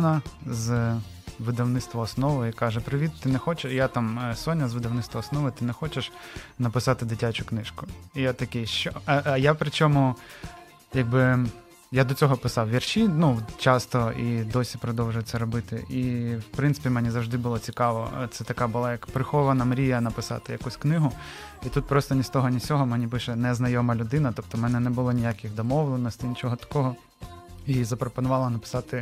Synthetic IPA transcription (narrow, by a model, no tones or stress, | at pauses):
nɐz | ʋɪd̪ɐwnɪt̪st̪ʋɐːsnɔʋɪikɑʒɛpɾɪʋʲit̪t̪ːɪnɛxɔt͡ʃɪjat̪ɑmsɔnʲːɐzʋɪd̪ɐwnɪt̪st̪ʋɐɔsnɔʋɪt̪ɪnɛxɔt͡ʃeʃnɐpɪsɑt̪ɪd̪ɪtʲat͡ʃʊknɪʃkʊjat̪ɐkɪjʃt͡ʃɔɐjapɾɪt͡ʃʲɔmʊ | jaɡ̚bɪ | jad̪ɔt͡sʲɔɦɔpɪsɑwʋʲirʃinut͡ʃɑst̪ɔid̪ɔsʲipɾɔd̪ɔwʒʊjɛt̪sɛɾɔbɪt̪ɪ̰ʔiwpɾɪnt̪ɪ̥pʲimɛnʲizɐwʒd̪ɪbʊlˠɔt͡sʲikɑʋɔ̰t̪sɛt̪ɐkɑbʊlˠɑjɐkpɾɪxɔʋɐnɐmɾʲijɐnɐpɪsɑ̰t̪ɪjɐkusʲknɪɦʊ | it̪ut̪̚pɾɔst̪ɔnʲist̪ɔɦɔnʲit͡sʲɔɦɔmɛnʲipɪʃɛnɛznɐjɔmɐlʲʊd̪ɪnɐt̪ɔp̚t̪ɔmɛnɛnɛbʊlˠɔnʲijakʲɪxd̪ɔmɔʋlˠenɔsʲtʲinʲit͡ʃɔɦɔt̪ɐ̥kɔɦɔ | izɐpɾɔpɔnʊʋɑlˠɐnɐpɪ̥sɑt̪ɪ